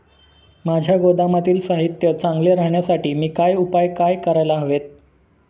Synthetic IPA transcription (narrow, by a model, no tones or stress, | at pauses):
mad͡ʑʱjaɡod̪amat̪iːlsaɦit̪jət͡saŋɡleɾaɦɳjasaʈiːmiːkajupajkajkəɾajlaɦəʋet̪̚